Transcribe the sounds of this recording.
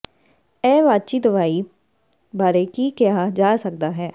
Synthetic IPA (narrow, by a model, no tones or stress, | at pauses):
ɛːʋaːd̪̚t͡ʃiːt̪ʋaːiː | baːɾekikjaːd͡ʒaːsək̚d̪aːɦɛː